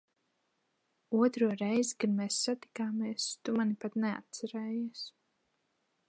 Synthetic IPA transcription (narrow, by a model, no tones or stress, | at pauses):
uɔt̪ɾuɔɾɛjzikanmeːsːat̪i̥kaːmiɛst̪umanipat̪nɛa̰t̪̚t̪saɾɛːjis